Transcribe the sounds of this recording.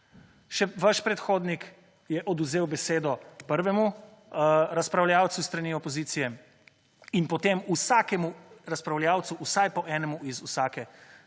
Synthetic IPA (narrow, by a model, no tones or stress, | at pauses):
ʃɛʋaʃpɾɛt̪xoːd̪nik | jɛʔɔd̪uzeːwbɛseːd̪ɔpəɾʋɛmu | ɾaspɾawljaːwt̪sust̪ɾaniːɔpɔziːt̪sijɛ | inpɔt̪emusaːkɛmuɾaspɾawljawt̪suʔusajpɔʔɛːnɛmuizusaːkɛ